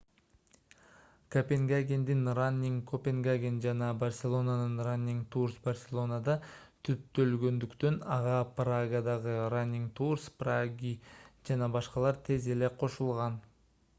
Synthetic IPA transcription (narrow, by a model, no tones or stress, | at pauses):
kopʲeŋɡaɡʲend̪inranʲːiŋkʰopʲe̞ŋɡaɡʲend͡ʒɑnɑbarsʲelˠo̞nanɯnranʲːiŋt̪ʰursbarsʲe̞lˠo̞nad̪ɑ | t̪ʰyp̚t̪ø̞lɡø̞nd̪ykt̪ø̞nɑʁɑpraɡad̪ɑʁɯranʲːiŋt̪ʰurspraɡʲid͡ʒɑnɑbɑʃqɑlˠɑɾt̪ʰe̞ze̞le̞qʰo̞ʃulˠʁɑn